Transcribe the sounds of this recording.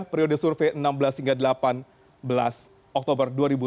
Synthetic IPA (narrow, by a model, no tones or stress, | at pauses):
pɾiodəsurfeənambəlashiŋɡaldəlapan | bəla̰s | ʔɔk̚t̪obərduaɾibu